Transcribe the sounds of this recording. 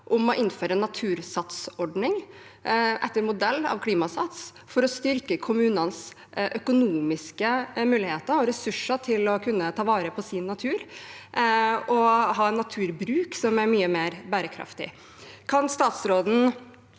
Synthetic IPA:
ʔʊmɔʔɪnːføːɾənːɑt̪ʰʉːɾsɑt̪sɔɖnɪŋ | ʔɛt̪ːəɾmʊd̪ɛlːɑ̰ʋkʰliːmɑsɑt̪s | fɔɾɔst̪ʏɾkəkʰʊmʉːnəns | ʔœkʊnuːmɪskəmʉːlɪheːt̪əɾɔɾɛsʉʂəʈʰɪlɔkʰʉnːət̪ʰɑːʋɑːɾəpʰɔsɪnːɑt̪ʰʉːɾ | ɔɦɑːɛnːɑt̪ʰʉːɾbɾʉːksɔmæɾmyːəmeːɾbæːɾəkʰɾɑ̰ft̪ɪ̰ | kʰɑnst̪ɑːt̪sɾoːd̪n̩

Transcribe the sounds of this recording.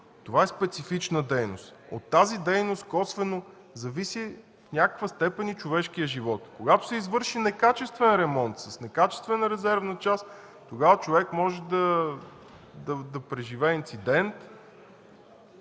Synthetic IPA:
t̪ovaɛspɛt̪sifit͡ʃnəd̪ɛjno̰st̪o̰t̪ːazid̪ɛjnost̪kɔsvɛno | zɐvisi | fnʲakə̥kvəst̪ɛpɛnit͡ʃovɛʃk̟iəʒivɔt̪koɡat̪o̥sɛizvɤɾʃinɛkat͡ʃɛst̪vɛnɾɛmɔnt̪səsnɛkat͡ʃɛ̥st̪vɛnəɾɛzɛɾvnət͡ʃas | t̪oɡavət͡ʃovɛkmɔʒɛd̪ɐ | d̪ɐd̪ɐpɾɛʒivɛint̪sid̪ɛnt̪

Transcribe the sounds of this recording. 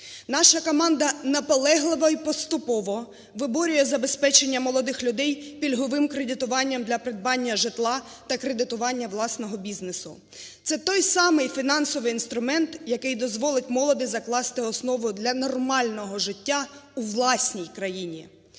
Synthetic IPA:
nɑʃɐkɔmɑnd̪ɐnɐpɔlˠɛɦlˠɪʋɐipɔst̪ʊpɔʋɔ | ʋɪbɔɾʲʊjɛzɐbe̞spɛt͡ʃe̞nʲːɐmɔlˠɔd̪ɪxlʲʊd̪ɛjpʲilʲɦɔʋɪmkɾed̪ɪt̪ʊʋɑnʲːɐmd̪lʲɐpɾed̪̚bɑnʲːɐʒɪt̪lˠɑ | t̪ɐkɾe̞d̪ɪt̪ʊʋɑnʲːɐʋlˠɑsnɔɦɔbʲiznesʊ̰ | t̪sɛt̪ɔjsɑmɪjfʲinɑnsɔʋɪjinst̪ɾʊmɛnt̪jɐkɪjd̪ɔzʋɔlˠɪt̚ʲmɔlˠɔd̪ɪzɐklˠɑst̪ɪɔsnɔʋʊd̪lʲɐnɔrmɑlʲnɔɦɔʒɪtʲːauʋlˠɑsʲnʲijkɾɐjinʲi

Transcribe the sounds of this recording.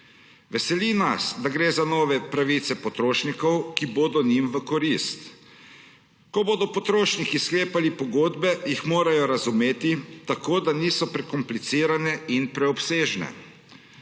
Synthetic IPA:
ʋɛsɛlina̰sd̪aɡɾeːzanɔːʋɛpɾaʋit̪sɛpɔt̪ɾoːʃnikɔwkiboːd̪ɔnimʋəkɔɾist̪ | kɔboːd̪ɔpɔt̪ɾoːʃnikiskleːpalipɔɡoːd̪bɛjixmoːɾajɔɾazumeːt̪it̪akoːd̪aniːsɔpɾɛkɔmplit̪siːɾanɛinpɾɛɔpseːʒnɛ̰

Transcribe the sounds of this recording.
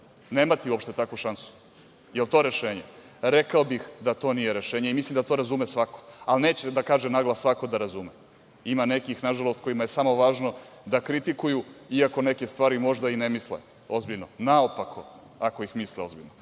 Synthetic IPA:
neːmat̪iuo̞pʃt̪e̞t̪akʋuʃansu̥ | jelˠt̪o̞eɾeʃeːɲe | ɾe̞kaobixd̪at̪o̞ːnijeɾeʃeːɲeimislimd̪at̪o̞ːɾazumesʋako̞̥alne̞ːt͡ɕed̪akaːʒenaɡlˠasʋako̞d̪aɾazume | imane̞kixnaʒalˠo̞st̪̚ko̞jimajesamo̞ʋaːʒno̞ | d̪akɾit̪ikujuiako̞neke̞st̪ʋaːɾimo̞ʒd̪ainemislḛ | o̞zbiʎnonaopakʰo̞ | ako̞ixmisleo̞zbiʎno

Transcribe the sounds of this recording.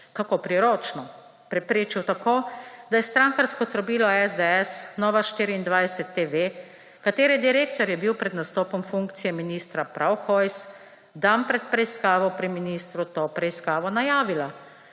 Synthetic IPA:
kakopɾiɾoːt͡ʃnɔ | pɾɛpɾeːt͡ʃiwt̪akoːd̪ajɛst̪ɾaːŋkaɾskɔt̪ɾɔbiːlɔɛzd̪eɛsnɔːʋaʃt̪iːɾiːnd̪ʋajsɛt̪ːeʋe | kat̪eːɾjɛd̪iɾeːk̚t̪ɔɾjɛbiwpɾɛd̪nast̪oːpɔmfuŋkt̪sijɛminiːst̪ɾapɾʔawxɔjs | d̪ampɾɛt̪̚pɾɛiskaːʋɔpɾiminist̪ɾut̪oːpɾɛiskaːʋɔnajaːʋila

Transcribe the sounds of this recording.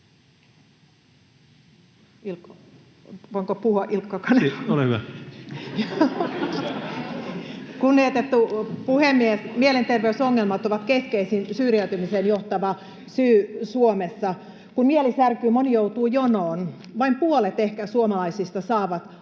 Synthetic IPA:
il | oŋkopuhoʔilkːɑkɑneolehyʋæ̰ | jo | kunniet̪et̪ːupuhemːiesmielent̪erʋeysoŋːelmɑt̪oʋɑt̪keskeisinsyːriæyt̪ymisenjoht̪ɑʋɑ | syːsuomesːɑ | kunmielisærkyːmonijout̪uːjonoːn | ʋɑimpuolet̪ehkæsuomɑlɑisist̪ɑsɑːʋɑt̪

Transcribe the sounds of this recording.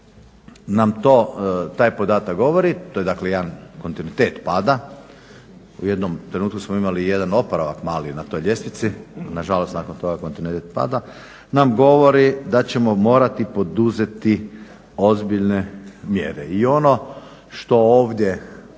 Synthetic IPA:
namt̪oːt̪aːjpo̞d̪aːt̪akɡo̞ʋoɾit̪ojeaːklejed̪anko̞nt̪inuit̪eːt̪paːd̪a | uje̞d̪nomt̪ɾe̞nuːt̪kusmoimalije̞d̪ano̞poɾaʋakmaːlinat̪o̞jʎe̞snit̪sinaʒalost̪naːkont̪o̞ɡakont̪inuit̪eːt̪̚pa̰ːd̪a | namɡo̞ʋo̞ɾid̪at͡ɕe̞mo̞mo̞ːɾat̪ipo̞d̪uze̞t̪i | o̞zbiʎnemjḛɾeio̞no̞ | ʃt̪o̞oːʋd̪je̞

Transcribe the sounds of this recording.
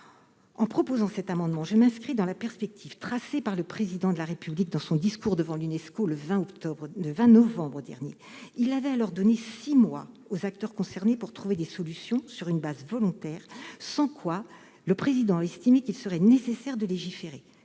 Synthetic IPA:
ɑ̃pχɔpozɑ̃sɛt̪amɑ̃d̪mɑ̃ʒəmɛ̃skχid̪ɑ̃lapɛʁspɛk̚t̪ʰiv̥t̪χasepaʁləpχezid̪ɑ̃d̪əlaʁepyblik̚d̪ɑ̃sɔ̃d̪iskuʁd̪əvɑ̃lynɛskoləvɛ̃ɔʁləvɛ̃nɔvɑ̃bʁəd̪ɛ̰ʁnjḛ | ilːavɛalɔʁd̪ɔnesimwa̰ | ozakt̪œʁkɔ̃sɛʁnepuʁt̪χuved̪esɔlysjɔ̃syʁynbazvɔlɔ̃t̪ɛːʁsɑ̃kwa | ləpχezid̪ɑ̃aɛst̪imekilsəʁɛnesesɛʁd̪əleʒifeʁe

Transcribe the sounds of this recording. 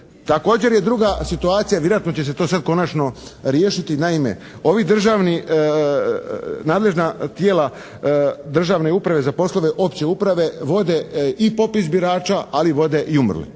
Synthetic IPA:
t̪ako̞ːd͡ʑe̞ɾjed̪ɾuɡasit̪uaːt̪sijaʋjeɾoat̪not͡ɕe̞s̬e̞t̪oːsad̪̚ko̞nat͡ʃno̞ɾjeːʃit̪inaime̞̰ | o̞ʋid̪r̩ʒaʋni | naːd̪le̞ʒnat̪jeːla | d̪r̩ʒaʋne̞upɾaʋe̞zapo̞slo̞ʋe̞ʔo̞pt͡ɕe̞upɾaʋe̞ʋo̞d̪e̞ipo̞pisbiɾaːt͡ʃaaliʋo̞d̪e̞ʔiumrlḭ

